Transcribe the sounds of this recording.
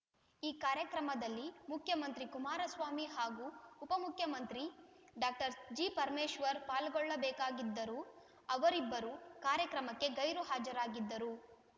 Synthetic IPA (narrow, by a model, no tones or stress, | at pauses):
iːkaːɾjɐkɾɐmɐd̪ɐlːimukʰjɐmɐnt̪ɾikumaːɾɐsʋaːmiɦaːɡuːpɐmukʰjɐmɐnt̪ɾiɖaːk̚ʈɐɾd͡ʒiːpɐɾmeːʃʋɐɾpaːlɡɔɭːɐbɛːkaːɡid̪ːɐɾu | ɐʋɐɾibːɐɾukaːɾjɐkɾɐmɐkːe̞ɡɐjɾuɦaːd͡ʒɐɾaːɡid̪ːɐɾu